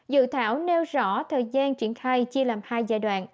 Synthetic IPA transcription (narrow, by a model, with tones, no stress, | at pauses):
zɨ̰˧˨t̪ʰaː˧˦wne˧wzɔ̰˧˥t̪ʰəː˨˩jzaː˧nt͡ɕwi˧˩ənxaː˧jt͡ɕi˧əlaː˨˩mhaː˧jzaː˧jɗwa̰ː˧˨nʔ